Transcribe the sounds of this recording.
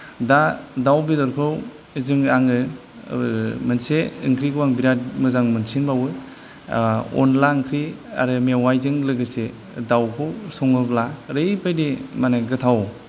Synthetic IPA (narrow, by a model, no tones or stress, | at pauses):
dadawbidɔɾkʰɯw | zɯŋaŋɯ | mɯnseɯŋkʰɾiɡɯwaŋbiɾad̚mɯzaŋmɯnsʰinbawɯ | ɔ̰nlaɯŋkʰɾia̰ɾɯmewajzɯŋlɯɡɯse | dawkʰɯwsɔŋɯblaɾɯjpʰajdimaneɡɯtʰaw